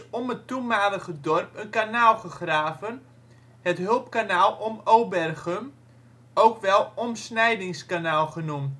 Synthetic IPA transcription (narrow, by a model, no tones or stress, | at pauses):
ɔmətumaːləɣədɔrpənkanaːlˠχəχraːvən | hətɦɵlˠpkanaːlˠɔmowbɛrɣəm | owkʋɛlˠɔmsnɛjdɪŋskanaːlˠχənum